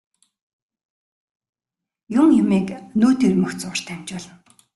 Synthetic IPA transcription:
jʊŋjʊmiːknuːt̪irmɵ̆xt͡sʊːr̥t̪ʰæm̥ʲt͡ɕpʊɮə̆n

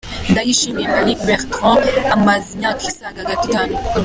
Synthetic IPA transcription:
dajiʃenɛmalik̚bɛʁtʁɔ̃amaziɲãkʰisaɡaɡatikan

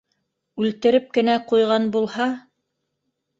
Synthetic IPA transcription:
ʉlt̪ɘ̆ɾɘp̚kɘ̆næqujʁɑnbulˠhɑ

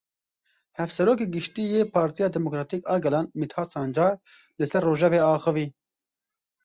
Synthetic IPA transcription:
hɛfsɛɾoːk̬eːɡɨʃt̪ijeːpʰɑːɾt̪ijɑːd̪ɛmokɾɑːt̪ʰikɑːɡɛlɑːnmit̪ʰhɑːsɑːnd͡ʒɑːɾ | lɨsɛrːoːʒɛveːɑːxɨviː

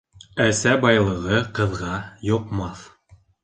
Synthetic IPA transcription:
æsæbɑjlˠɤ̆ʁɤqɤ̆ðʁɑjŏqmɑθ

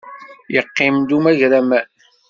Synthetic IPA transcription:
jəqːɪmd̪umæʝɾæmæ

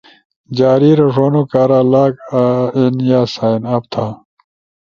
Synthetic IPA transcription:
d͡ʑaːɾiːɾɐʂoːnokaːɾaːlaːkːenjaːsaːinɐpt̪ʰaː

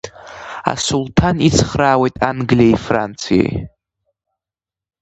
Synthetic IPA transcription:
a̰sulˠtʰanit͡sʰχraːwejtʼanɡlieifrant͡sʰija̰j

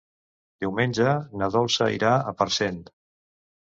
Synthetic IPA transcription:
d̪iwmenʲd͡ʒənəðɔlˠsəḭɾaəpəɾsent̪

